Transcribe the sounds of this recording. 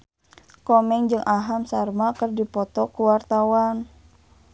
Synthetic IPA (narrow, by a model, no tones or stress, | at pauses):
kɔmɛŋd͡ʒɨŋʔaɦamsarmakərdipɔt̪ɔkuwart̪awan